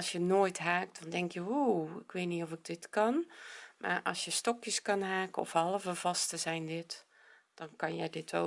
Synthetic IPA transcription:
sjənoːjtɦaːk̚dɔndɛŋkjəuɪkʋeːtniɔfɪɡ̚dɪtkɑnmʔa̰rʔɑ̰lˠsjəstɔkjəskɑnɦaːkəɔ̰fhɑlˠəvəv̥ɑstəzɛjndɪt | d̥ɔnkɑnjədɪtʰo

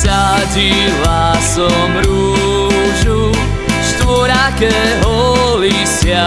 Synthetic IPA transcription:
saɟi | lasɔmɾu | ʒu | ʃt̪ʋɔɾakɛɦɔli | sɪa

